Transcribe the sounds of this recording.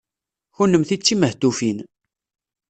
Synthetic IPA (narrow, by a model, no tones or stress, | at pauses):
çunːəmθit͡sːiməht̪ufin